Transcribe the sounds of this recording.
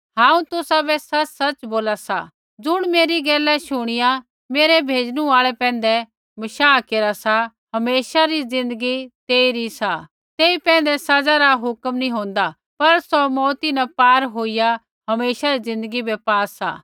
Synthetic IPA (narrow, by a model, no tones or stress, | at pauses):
ɦãːũt̪ʊsabɛsɐt͡ʃsɐt͡ʃboːlasa̰ | d͡zʊɽ̃meːɾiɡɛːlɛʃʊɽ̃ɪja | meːɾɛbʱeːd͡ʒɽ̃ũaːɭɛpɛ̃ːnd̪ɛ | mɐʃaːkeːɾasa | ɦɐmeːʃaɾid͡zɪ̃nd̪əɡit̪eːiɾisa | t̪eːipɛ̃ːn̆d̪ɛsɐd͡zaɾaɦʊkmnĩɦõːnd̪a | pɐɾsɔmɔːt̪inɛpaːɾɦoːija | ɦɐmeːʃaɾizɪ̃nd̪əɡibɛpaːsa̰ː